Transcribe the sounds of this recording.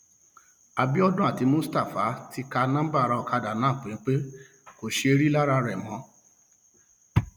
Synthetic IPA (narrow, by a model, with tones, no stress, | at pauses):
a˨bi˦ɔ˦dũ˦a˦˨ti˨˧˦mũ˦sta˦˨fa˨˦ti˧˦ka˧nã˦ba˦˨ɾa˧ɔ˨ka˧da˨nãː˨˦˨k͡pu˨nĩ˨˦k͡pe˦ | ko˨ʃe˧e˧˦ɾi˦la˦ɾa˧ɾɛ˨mɔ̃˨˦